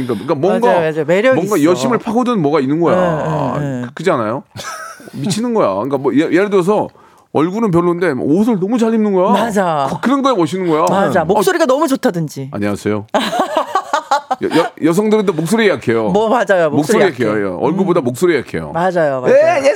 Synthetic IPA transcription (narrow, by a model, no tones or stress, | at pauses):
ɲik͈akamwʌŋɡameɾjʌmwʌŋɡajʌɕʰimɯɭpʰaɡodɯnɯnmwʌɡainːɯnɡʌja̰ | kk͈ʰɯd͡ʑianajo | mit͡ɕʰinɯnɡʌja̰k͈amwʌjejeɭdos̬ʰʌ | ʌɭɡuɾɯnp̬jʌɭːonde̞m̰os̬ʰɯɭnʌmut͡ɕaɭːimnɯnɡʌjamad͡ʑakɯkɯɾʌnɡʌebʌɕʰinɯnɡʌjaaamoks͈oɾiɡanʌmut͡ɕotʰadɯnd͡ʑia̰ɲiasʰe̞jo | jjʌjʌs̬ʰʌŋdɯbedamok̚s͈oɾijakʰe̞jommad͡ʑajomokssoɾiakʰejo̰ʌɭɡubodamok̚s͈oɾiakʰe̞̰jo̰mad͡ʑajoaee